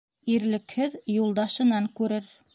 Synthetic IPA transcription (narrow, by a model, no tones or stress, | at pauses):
iɾlɘ̆khɘðjulˠd̪ɑʃɤ̆nɑŋkʉɾɘɾ